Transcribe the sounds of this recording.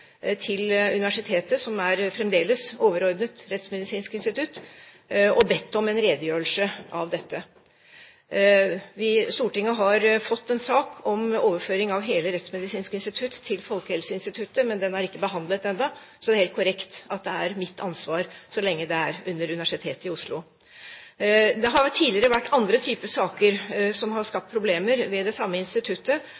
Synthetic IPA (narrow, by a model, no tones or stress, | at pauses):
t̪ʰɪlʉnɪʋæʂɪt̪ʰeːt̪əsɔmæɾfɾɛmd̪eːləsoːʋəɾɔɾd̪nət̪ɾɛt̪smɛd̪ɪsiːnskɪnst̪ɪt̪ʰʉt̪ː | ɔbɛt̪ːɔmɛnɾeːd̪əjøːəl̩səʔɑʋd̪ɛt̪ːə | ʋɪst̪uːʈɪŋːəɦɑɾfɔt̪ːɛnsɑːkʰɔmoːʋəføːɾɪŋɑʋɦeːləɾɛt̪smɛd̪ɪsiːnskɪnst̪ɪt̪ʰʉt̪ʰːɪlfɔlkəhɛlsəɪnst̪ɪt̪ʰʉt̪ːəmɛnd̪ɛnæɾɪkːəbəɦɑnd̪lət̪ɛnd̪ɑ | sɔd̪ɛæɾheːlt̪kʰʊɾɛkt̪ɑt̪̚d̪ɛæɾmɪt̪ːɑnsʋɑːɾsɔlɛŋːəd̪ɛæɾʉnːəɾʉnɪʋæʂɪt̪ʰeːt̪ɪʊʂlʊ | d̪ɛɦɑɾʈʰiːlɪəɾəʋæʈːɑnd̪ɾət̪ʰyːpəsɑːkəɾsɔmɦɑɾʂkɑp̚t̪pʰɾʊbleːməɾʋɛd̪ɛsɑmːəɪnst̪ɪt̪ʰʉt̪ːə